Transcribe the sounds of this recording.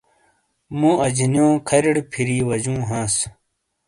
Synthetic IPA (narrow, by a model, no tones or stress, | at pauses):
mũːʔɐd͡ʑinjõːkʰɐɾiɽpʰiɾiːwɐd͡ʑũːɦãːs